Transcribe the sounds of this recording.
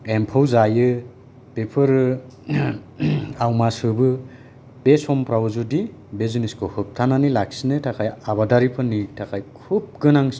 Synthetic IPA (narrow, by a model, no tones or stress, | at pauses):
empʰawzajɯ | pepʰɯɾɯ | awmasɯbɯ | b̥esɔmpɾawzudibeziniskʰɯhɯp̚tʰananilak̚sinɯtʰakʰajaβadaɾipʰɯnitʰakʰajkʰub̚ɡɯnaŋs